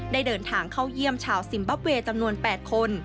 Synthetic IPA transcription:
daː˥˩jdɤː˧nt̪ʰaː˩ŋkʰa˥˩wji˥˩əmt͡ɕʰaː˧˩wsi˨˩˦mba˦˥p̚weː˧t͡ɕa˧mnu˧ənpɛː˨˩t̪̚kʰo˧n

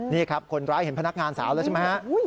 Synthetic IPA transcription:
niː˥˩kʰa˦˥p̚kʰo˧nɾaː˦˥jhe˩˦npʰna˦˥k̚ŋaː˧nsaː˩˦waː˦˥t͡ɕʰe˥˩ma˦˥jha˦˥ʔ

